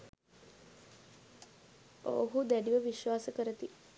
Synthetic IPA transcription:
ooɦud̪æɖiʋəʋiʃʋaːsəkəɾət̪i

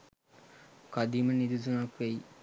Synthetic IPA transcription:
kad̪imənid̪uzunakʋæi

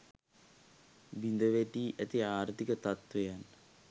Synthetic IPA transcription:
ʋind̪əʋeʈiːʔæt̪iaːɾt̪ikət̪at̪ʋejanː

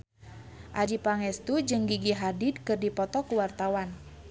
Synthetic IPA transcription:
ʔad͡ʒipaŋɛst̪ud͡ʒɨŋɡiɡiɦadid̚kɨrdipɔt̪ɔkuwart̪awan

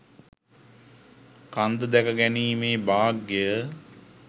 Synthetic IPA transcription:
kand̪əd̪ækəɡæniːmeːbaːɡːejə

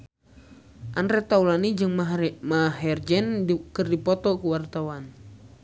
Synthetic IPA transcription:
ʔanɾɛt̪aulanid͡ʒɨŋmaɦɛrd͡ʒɛnkɨrdipɔt̪ɔkuwart̪awan

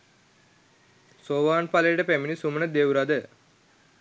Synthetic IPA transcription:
soːʋaːnpaləjəʈəpæminisumənəd̪ewɾad̪ə

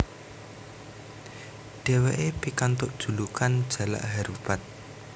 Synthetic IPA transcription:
ɖ̥e̤weʔepikant̪ʊʔd̥ʒ̥ṳlukand̥ʒ̥a̤la̰ʔɦaɾub̥at̪̚

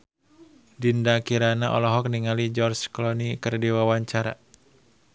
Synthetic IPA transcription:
dindakiɾanaʔɔ̰lɔɦɔk̚niŋalid͡ʒɔrt͡ʃklɔnikɨrdiwawaɲt͡ʃaɾa̰

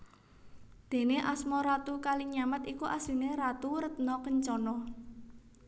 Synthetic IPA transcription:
d̪̥e̤neʔasmɔɾat̪ukaliɲamət̪ikuʔasi̤neɾat̪uɾət̪̚nɔkəɲt͡ʃɔnɔ

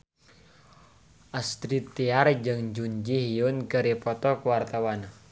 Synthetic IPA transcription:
ʔast̪ɾit̪ːiard͡ʒɨŋd͡ʒuɲd͡ʒiɦiʊnkəɾipɔt̪ɔkuwart̪awan

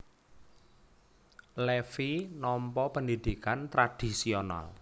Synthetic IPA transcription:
lefinɔmpɔpəndid̪̥ikant̪ɾad̪̥isiona̰l

